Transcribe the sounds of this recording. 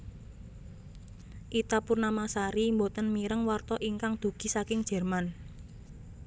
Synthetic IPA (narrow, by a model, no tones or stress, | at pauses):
ʔit̪apurnamasaɾimbot̪ənmiɾəŋwart̪ɔʔiŋkaŋd̪̥ṳɡ̥i̤sakɪŋd̥ʒ̥ɛ̤rman